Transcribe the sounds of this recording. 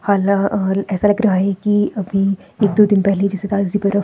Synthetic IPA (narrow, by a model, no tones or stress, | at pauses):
haːlãɛːsalɐɡɾɐɦaɦɛkiɐbʱi | eːkd̪oːd̪ɪnpɛɦled͡ʒɛset̪aːzit̪ɐɾə